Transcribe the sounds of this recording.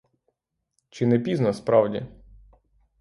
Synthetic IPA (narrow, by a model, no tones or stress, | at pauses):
t͡ʃɪnɛpʲiznɐspɾɑwdʲḭ